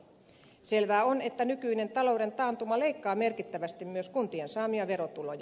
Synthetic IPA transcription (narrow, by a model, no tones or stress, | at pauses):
se̞lʋæːo̞ne̞t̪ːænykyine̞nt̪ɑlo̞wde̞nt̪ɑːnt̪umɑle̞ikːɑːme̞rkit̪ːæʋæst̪immyøskunt̪iensɑːmiɑʋe̞ɾot̪ulojɑ